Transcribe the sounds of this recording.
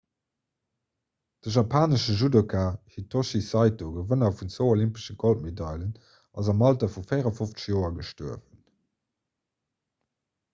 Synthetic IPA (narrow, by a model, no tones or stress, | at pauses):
d̥əʒapʰaːnəʃəʒudokʰaːhitʰːoʃisɑɪtoɡəvənɐfunt͡swəʊolimpə̥ʃəɡɔlt̚medɑɪlən | ɑ̰zɑmɑltɐfufeɪʁɐfoft͡sə̥ʃjoːɐɡəʃtuəvən